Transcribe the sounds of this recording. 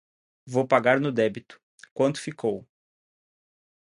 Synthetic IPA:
vowpaɡaɾnʊd̪ɛbit̪ʊ̥ | kwɐ̃nt̪ʊ̥fikʰow

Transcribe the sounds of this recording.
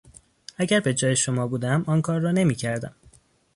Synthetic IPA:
æɟæɾbe̞d͡ʒɒːje̞ʃo̞mɒːbuːd̪æmɒːnkʰɒːɾːɒːne̞miːcʰæɾd̪æ̰m

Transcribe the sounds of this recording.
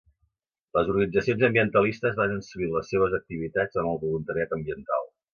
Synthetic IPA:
ləzuɾɣənid͡zəsionzəmbiənt̪əlist̪əzβanənsəɣiləsːeβ̞əzək̚t̪iβit̪ad͡zəməlˠβulunt̪əɾiat̪əmbiənt̪a̰lˠ

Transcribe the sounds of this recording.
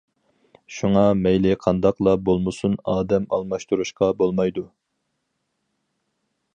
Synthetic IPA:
ʃuŋɑmɛjlɪqʰɑnd̪ɑqlˠɑbolˠmɨsunɑːd̪ɛmɑ̰lˠmɑʃt̪uɾuʃqɑbolˠmɑjd̪u

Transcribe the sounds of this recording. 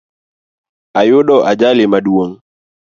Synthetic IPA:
ajuɗɔʔad͡ʒalimaɗuɔŋ

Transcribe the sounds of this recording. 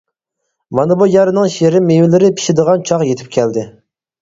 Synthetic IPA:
mɑnɨbojɑɾɨnɨŋʃeɾɪmːewɪlɪɾɪpʰi̥ʃɪd̪əʁɑnt͡ʃʰɑqjet̪ʰɪ̥p̚kʲʰɛld̪ɪ

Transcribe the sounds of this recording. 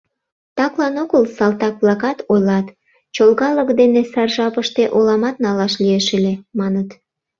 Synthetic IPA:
t̪ɑklɑnoɣəlsɑlt̪ɑk̚βlɑkɑt̪ojlɑt̪ | t͡ɕolɣɑləkd̪enesɑrʒɑpəʃt̪eʔolɑmɑt̪̚nɑlɑʃlieʃelemɑnət̪

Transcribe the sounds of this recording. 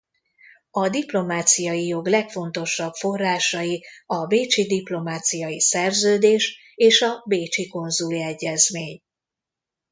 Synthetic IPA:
ɒd̪iplo̞maːt̪sijɒjijo̞ɡlɛkfo̞nt̪o̞ʃɒbfo̞rːaːʃɒjiɒbeːt͡ʃid̪iplo̞maːt̪sijɒjisɛrzøːd̪eːʃ | eːʃɒbeːt͡ʃiko̞nzuliɛɟːɛzmeːɲ

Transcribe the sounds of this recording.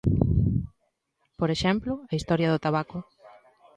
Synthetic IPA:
poɾeʃɛmplʊɐist̪ɔɾjɐðʊt̪aβakʊ

